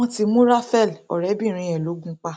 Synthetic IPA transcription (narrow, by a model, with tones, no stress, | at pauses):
ɔ̃˦˧ti˧mũ˦ɾa˦fɛ˦˨lɔ̰˨ɾɛ˨˦bĩ˦˨ɾ̃ĩ˧ɛ˨lo˨˦ɡũ˧k͡pa˦